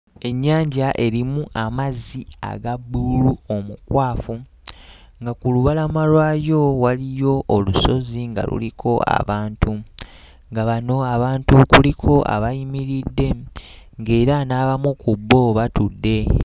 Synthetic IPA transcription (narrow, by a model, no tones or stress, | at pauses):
e̞ɲːaːɲɟaʔe̞ɾimuʔamazia̰ɡabuluo̞mukwʔaːfu | ŋɡakuluβalamalwaːjo̞walijo̞ʔːluso̞ziŋɡa̰lṵlikʰo̞a̰βaːntʰu | ŋɡaβano̞aβaːntukulikʰo̞ʔa̰βajimiɾidːe̞ŋɡe̞ːɾanaːβamukubːo̞βatudːe̞